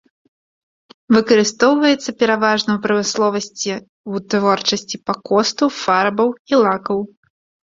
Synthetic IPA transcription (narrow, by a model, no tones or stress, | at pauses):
vɨkɐɾɨst̪ɔwvɐjɛt̪sːɐpʲɛɾavaʐnɐwpɾɐmɨslˠɔvɐsʲt͡sʲi | wt̪vɔrt͡ʂɐsʲt͡sʲipakɔst̪ufarbɐwilˠakɐw